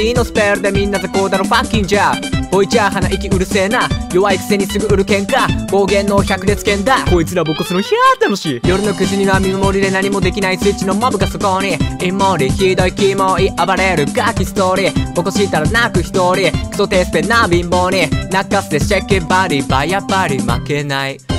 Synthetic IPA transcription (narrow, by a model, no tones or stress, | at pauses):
iːno̞sɨ̥peɾɯd̪emʲĩnːazakoːd̪anopakʲːĩŋd͡ʑaːb̥o̞it͡ɕiaɦanaʔikʲiɯ̟ɾɯ̟seːnajo̞βaiki̥se̞ɲ̟isɨɡɯ̟ɯɾɯ̟kẽ̞ŋkab̥oːɡẽ̞nːoçakɯɾet͡sɨ̥kẽnd̪akoit͡sɨɾabokosɨɾoçiat̪ːanoɕijo̞ɾɯ̟no̞kɯ̟ʑiɲ̟iβamʲimɯmo̞ɾʲid̪enaɲ̟imo̞d̪e̞kʲinaisɨːt͡ɕinomabɯ̟kasokoniimːoːɾikʲid̪oikiːmoiʔabaɾajaɾɯɡakʲisi̥t̪oɾʲib̥okosɨit̪aɾanakɯ̟çi̥t̪oːɾʲikʰɯ̥t̪ot̪eːsɨ̥t̪enaːbĩmboːnʲinakːasɨ̥t̪eɕakːẽmbaɾʲibaijapːaɾʲima̰ke̞nai